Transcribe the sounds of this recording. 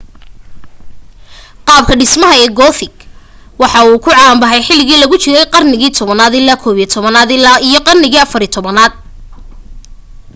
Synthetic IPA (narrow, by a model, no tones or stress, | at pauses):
qɑːb̚kʰɐɖɪsmɐɦɐɛːɡɔːθɪɡ | wɑħɑuːkʰʊʕɑːmbɐħɛjħɪlɪɣiːlɐɣʊt͡ʃɪɾɛjqɑrnɪɣiːt̪ʰɔβɐnaːd̪ɪlːaːkʰɔːβiːt̪ʰɔβɐnaːd̪ɪlaːijɞqɑrnɪɣiːɐfɐɾit̪ʰɔβɐnaːd̪̚